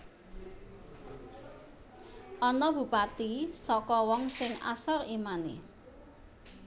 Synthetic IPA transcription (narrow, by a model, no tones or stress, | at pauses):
ʔɔnɔb̥ṳpat̪isɔkɔwɔŋsɪŋa̰sɔrimanḛ